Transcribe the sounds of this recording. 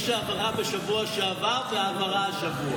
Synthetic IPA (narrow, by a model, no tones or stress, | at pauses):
ʃeamaʁabeʃavuaʃeavaʁveaɡmaʁaaʃavua